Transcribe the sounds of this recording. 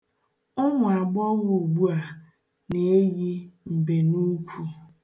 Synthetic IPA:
ɔ˦ŋʷʊ˨a˨ɡ͡bɔ˦ɣu˨ɡ͡bu˦a˨ | ne˨e˦ji˦m̩˨be˨nu˦kʷʰu˨

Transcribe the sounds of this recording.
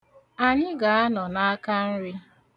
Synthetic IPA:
a˨ɲɪ˦ɡa˨a˦nɔ˨na˦a˦ka˦n̩˦ɾɪ˦

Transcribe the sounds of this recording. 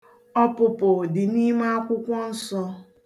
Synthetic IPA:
ɔ˦pʊ˨pʊ˨dɪ˨ni˦ma˦a˦kʷʊ˦kʷɔ˦n̩˦sɔ˦

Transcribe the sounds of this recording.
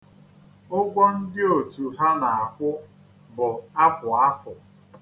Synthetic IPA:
ʊ˦ɡʷɔ˦n̩˦dɪ˦o˨tu˨ɦa˦na˨a˨kʷʊ˦ | bʊ˨a˦fʊ˨a˦fʊ˨

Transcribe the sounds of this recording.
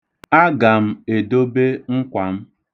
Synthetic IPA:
a˦ɡa˨m̩˦e˨do˦be˦ŋ̩˦kʷa˨m̩˦

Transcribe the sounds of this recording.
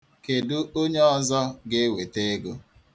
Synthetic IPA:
ke˨dʊ˦o˦ɲe˦ɔ˦zɔ˦ɡɪ˦we˨te˦e˦ɡo˦

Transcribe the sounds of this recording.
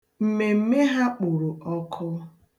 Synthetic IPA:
m̩˨me˨m̩˦me˦ɦa˦k͡pʊ˨ɾʊ˨ɔ˦kʰɔ˦

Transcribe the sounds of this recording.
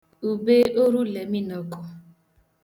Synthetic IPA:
u˨be˦ʔo˦ɾu˦le˨mi˦nɔ˦kʊ˦

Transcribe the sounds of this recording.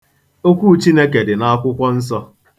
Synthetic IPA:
o˦kʷu˦˨t͡ʃi˦ne˦ke˨dɪ˨na˦a˦kʷʊ˦kʷɔ˦n̩˦sɔ˦

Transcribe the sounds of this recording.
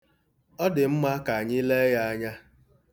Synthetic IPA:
ɔ˦dɪ˨m̩˦ma˦ka˨a˨ɲi˦le˦ja˦a˦ɲa˦

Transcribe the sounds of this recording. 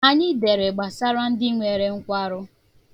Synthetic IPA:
a˨ɲɪ˦de˨ɾe˨ɡ͡ba˨sa˦ɾa˦n̩˦dɪ˦ŋʷe˨ɾe˦ŋ̩˦kʷa˦ɾʊ˦

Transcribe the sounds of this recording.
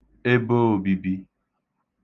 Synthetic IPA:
e˦bo˦o˨bi˨bi˦

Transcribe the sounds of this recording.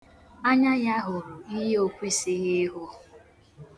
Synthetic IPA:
a˦ɲa˦ja˦ɦʊ˨ɾʊ˨i˦ɦe˦o˦kʷi˦si˦ɣɪ˦ɦʊ˦

